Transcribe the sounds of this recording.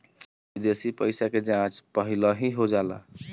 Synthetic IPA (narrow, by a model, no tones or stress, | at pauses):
d̪esipəɪsaked͡ʒãt͡ʃpəɦiləɦĩɦod͡ʒala̰